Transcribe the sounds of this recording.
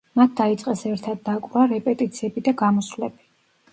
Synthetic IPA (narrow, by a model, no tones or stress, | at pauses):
mat̪̚ʰd̪̥ait̪sʼqʼɛsɛɾt̪ʰad̪̚ːakʼɾaɾɛpʼɛt̪ʼit̪sʰiɛbid̪aɡamɔslɛb̥i